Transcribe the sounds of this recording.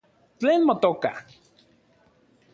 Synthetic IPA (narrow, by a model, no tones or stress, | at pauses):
t͡ɬeːnmot̪oka̰